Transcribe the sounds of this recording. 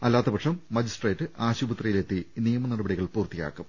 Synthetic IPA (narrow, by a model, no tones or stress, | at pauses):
ɐlːaːt̪ːɐbɐkʂɐmːɐd͡ʑisʈreːtːɨaːɕubɐt̪rɐjile̞t̪ːinijɐmɐnɐɽɐbɐɽiɣɐɭpuːrt̪ija̰ːkːum